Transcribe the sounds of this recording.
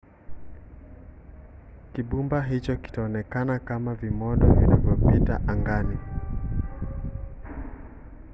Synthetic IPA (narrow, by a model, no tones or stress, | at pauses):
kiɓumbaɦit͡ʃɔki̥taɔnɛkanakamavimɔɗɔ̰vinavjɔpitaʔaŋɡani